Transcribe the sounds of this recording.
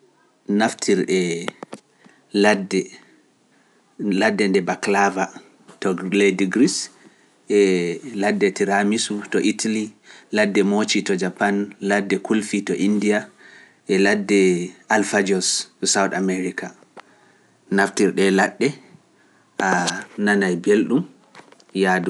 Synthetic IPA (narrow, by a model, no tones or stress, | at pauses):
naftʰiɾɗɛ | ladɛ | ladːɛndɛbaklava | tɔlejdiɡɾis | ʔɛladːɛtiɾamisutɔʔitʰaliladːɛmot͡ʃitɔd͡ʒapanladːɛkʰulfitɔʔindija | ʔɛladːɛalfad͡ʒɔssawtameɾika | naftiɾɗɛlaɗːɛ | ʔananajbelɗum | jadu